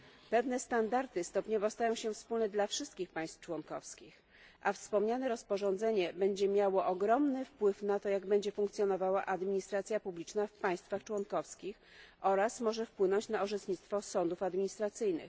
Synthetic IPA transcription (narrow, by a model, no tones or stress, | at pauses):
pɛvnɛst̪and̪aɾt̪ɘst̪ɔpɲɔvɔst̪ajɔ̃w̃ɕɛfspulnɛd̪lafʂɘst̪kʲixpaj̃st̪ft͡ʂwɔnkɔfskʲix | ʔafspɔmɲanɛɾɔspɔʐɔnd̪zɛɲɛbɛɲd͡ʑɛmʲjawɔʔɔɡɾɔmnɘfpwɘfnat̪ɔjaɡbɛɲd͡ʑɛfuŋkt̪sjɔnɔvawaʔad̪mʲiɲist̪ɾat̪sʲjapublʲit͡ʂnafpaj̃st̪faxt͡ʂwɔnkɔfskʲix | ɔɾasmɔʐɛfpwɘnɔɲt͡ɕnaɔʐɛt̪ɲit̪st̪fɔsɔnd̪ufad̪mʲiɲist̪ɾat̪sɘjnɘ̰x